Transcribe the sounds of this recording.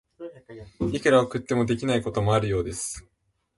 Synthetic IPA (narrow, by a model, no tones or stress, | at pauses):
ikɯɾaokɯ̟t̪ːe̞mo̞d̪e̞kʲinaiko̞t̪o̞moaɾɯ̟jo̞ːd̪e̞sɨ̥